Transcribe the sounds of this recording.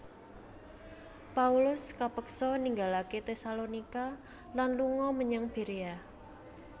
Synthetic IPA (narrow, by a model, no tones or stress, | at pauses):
paulʊskapəksɔniŋɡalaket̪esalonika | lanluŋɔməɲaŋb̥e̤ɾea